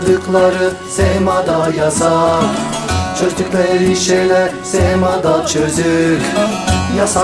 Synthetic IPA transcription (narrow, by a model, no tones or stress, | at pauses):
d̪ɯklˠaɾɯ | sɛmad̪ajasa | t͡ʃʰøzyklʲɛɾiʃejlɛɾsɛhmad̪at͡ʃʰøzyk | jas